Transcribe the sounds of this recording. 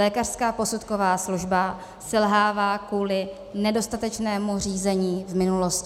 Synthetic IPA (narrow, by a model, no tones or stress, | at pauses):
lɛːkar̥skaːpo̞sut̪ko̞vaːsluʒba | sɛlɦaːvaːkuːlɪ | nɛdo̞st̪at̪ɛt͡ʃnɛːmur̝iːzɛɲiːvmɪnulo̞scɪ